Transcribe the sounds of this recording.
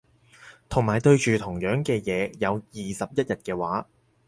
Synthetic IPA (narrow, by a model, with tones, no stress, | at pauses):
t̪ʰʊ˨˩ŋmaː˨˩jt̪ɵ˧ɥt͡ʃyː˨t̪ʰʊ˨˩ŋjœː˨˥ŋkɛː˧jɛː˨˧jɐ˨˧wjiː˨sɐ˨p̚jɐ˥t̚jɐ˨t̚kɛː˧waː˨˥